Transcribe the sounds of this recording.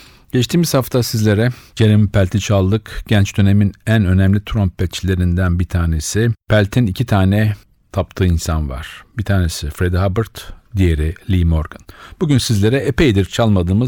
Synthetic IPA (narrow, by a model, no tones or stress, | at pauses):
ɟ̥ɛt͡ʃt̪ʰiːmiz̥haft̪ʰasizlʲe̞ɾɛɟeɾʲemipʰælʲt̪ʰit͡ʃʰalˠːɯkɟ̥ænt͡ʃd̪ø̞ne̞minænø̞næmlʲit̪ʰɾompbɛt͡ʃlʲe̞ɾind̪ænbit̪ʰaːne̞sipʰælʲt̪ʰinicʰit̪ʰaːnɛ | t̪ʰap̚t̪ʰɯːinsanva̰ɾ̥bit̪ʰaːne̞sɪfɾed̪ihabɯɾt̪d̪ije̞ɾilʲiːmoɾɡɯnb̥uɟynsizlʲe̞ɾɛepejd̪iɾt͡ʃʰalˠmad̪ɯːmɯ